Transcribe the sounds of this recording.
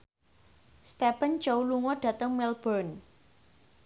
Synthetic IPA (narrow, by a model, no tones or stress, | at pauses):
st̪ɛpənd͡ʒowluŋɔɖ̥ä̤t̪əŋmɛlb̥ɔn